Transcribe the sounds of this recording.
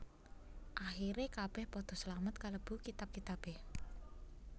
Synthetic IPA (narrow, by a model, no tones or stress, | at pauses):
ʔaxiɾekab̥ɛhpɔd̪̥ɔ̤slamət̪̚kaləb̥ṳkit̪ab̚kit̪ab̥eh